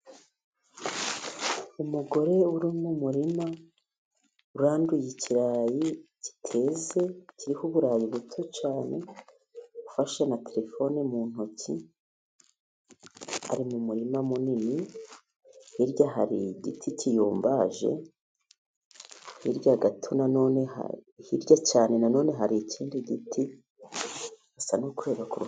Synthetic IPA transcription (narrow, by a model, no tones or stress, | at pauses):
umuɡo̞ɾe̞uɾimumuɾima | uɾaːndujiciɾaːjici̥tʰe̞ːze̞ciɾihuβuɾaːjiβutʰot͡ʃaːne̞ | ufaʃenatʰeɾe̞fo̞nemuːn̥oci | a̰ɾimumuɾimamunini | hiɾɟaɦaɾiɟḭtʰicijuːmbaʒe̞̰ | hḭɾɟaɡatʰunano̞ːneha̰hiɾɟat͡ʃaːne̞nano̞ːne̞ɦaɾicʰiːndiɟitʰi | hasanukuɾe̞ːβakuɾu